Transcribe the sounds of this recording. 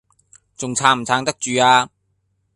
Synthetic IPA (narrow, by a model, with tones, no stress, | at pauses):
t͡sʊ˨ŋt͡sʰaː˧m̩˨˩t͡sʰaː˧ŋt̪ɐ˥k̚t͡ʃyː˨˧aː˧